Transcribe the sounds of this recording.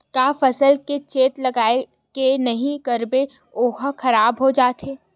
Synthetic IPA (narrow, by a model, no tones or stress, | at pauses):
kaːfɐsəlket͡ʃeːt̪lɐɡaːe | kenɐɦĩkɐɾbe | oːɦxɐɾaːbɦod͡ʒaːt̪ʰeː